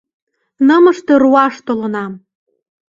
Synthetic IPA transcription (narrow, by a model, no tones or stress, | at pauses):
nəməʃt̪eruɑʃt̪olɤ̆nɑm